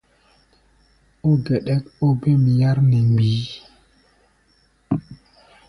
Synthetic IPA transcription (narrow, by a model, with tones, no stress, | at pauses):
o˦ɡɛ˨ɗɛ˦ko˦be˦m˨ja˦ɾnɛ˨mɡ͡biː˨˦